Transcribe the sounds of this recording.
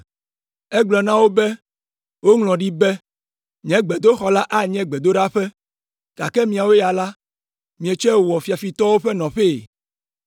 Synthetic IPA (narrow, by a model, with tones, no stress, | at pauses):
ɛ˦ɡ͡blɔ˨nã˦wo˦bɛ˦ | wo˦ŋlɔ̃˨ɖi˦bɛ˦ | ɲ˨ɛ̃˦ɡ͡bɛ˨d̪o˦xɔ˨la˦ʔa˦ɲɛ̃˦ɡ͡bɛ˨d̪o˦ɖa˦ɸɛ˦ | ka˨kɛ˦mĩ˨a˨wo˦ja˨la˦ | mĩ˨ɛ˨t͡ʃɛ˦˨wɔ˨fi˨a˨fi˨t̪ɔ˦wo˦ɸɛ˦nɔ̃˨ɸe˦˨